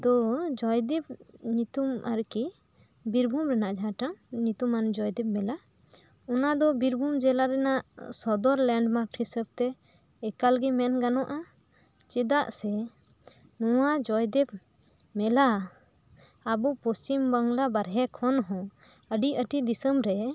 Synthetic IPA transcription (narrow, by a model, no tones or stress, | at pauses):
d̪ɔd͡ʒɔjd̪ɛb̚ɲit̪umʔaɾki | biɾbʱumɾɛnaʔd͡ʒɦaʈaŋɲit̪umand͡ʒɔjd̪ɛp̚mɛla | ɔnad̪ɔbiɾbʱumd͡ʒɛlaɾɛnaʔsɔd̪ɔɾlɛɳɖmaɾʈʰisəb̚t̪ɛː | kalɡimɛnɡanɔʔa | t͡ʃɛd̪aʔsɛ | nɔwad͡ʒɔjd̪ɛb̚ | mɛla | bupɔst͡ʃimbaŋɡlabaɾɦɛkʰɔnɦɔ̃ | əɖiəʈid̪isəmɾɛ